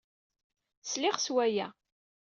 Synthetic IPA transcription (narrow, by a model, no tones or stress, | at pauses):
slɪʁswæjæ